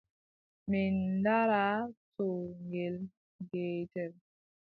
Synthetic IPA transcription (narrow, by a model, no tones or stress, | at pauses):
mindaɾatoŋɡel | ɡeːtɛl